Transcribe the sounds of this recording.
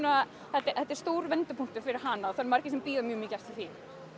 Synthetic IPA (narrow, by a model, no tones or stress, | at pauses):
na | θɛt̪ːɛθɛt̪ːɛɾ̥st̪oːwɾvɛnt̪ʏpʰuŋ̥t̪ʏfɪɾɪɾ̥ɦanːaðɔθaɾmaɾ̥cɪsɛmpiːðamjœːmiːcar̥t̪aθiː